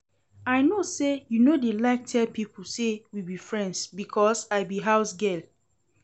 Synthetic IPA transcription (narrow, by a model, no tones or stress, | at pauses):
aɪnosejunodelaɪk̚tʰɛlpipulsewibifɹɛ̃ndsbikʰɔsaɪbiɦaʊsɡel